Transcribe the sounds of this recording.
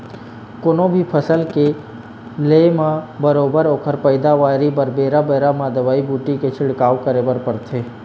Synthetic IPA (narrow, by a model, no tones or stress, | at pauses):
konõbʱipʰəsəlke | leːmãbəɾoːbəɾoːkʰəɾpəɪd̪aʋaːɾibəɾbeːɾabeːɾamãd̪əʋaːibuːʈiket͡ʃʰɪɽkaːʋkəɾebəɾpəɾt̪ʰeː